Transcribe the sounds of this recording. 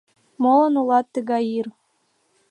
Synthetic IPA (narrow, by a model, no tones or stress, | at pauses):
molˠɤ̆nulˠɑt̪ːə̆ɣɑjir